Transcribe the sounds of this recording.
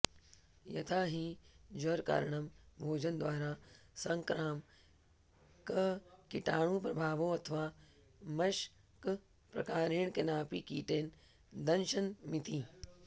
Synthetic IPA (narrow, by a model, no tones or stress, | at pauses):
jɐt̪ʰaːɦid͡ʒɐɾka̰ːɾɳɐmbʱoːd͡ʒɐnd̪ʋaːɾaː | sɐ̃ŋkɾaːm | kɐkɪʈaːɽ̃ũːpɾɐbʱaːʋoːɐt̪ʰɐʋaː | mɐʃ | k | pɾɐ̰kaːɾeːɳkenaːpiːkiːʈeːn | d̪ɐnʃɐnmit̪iː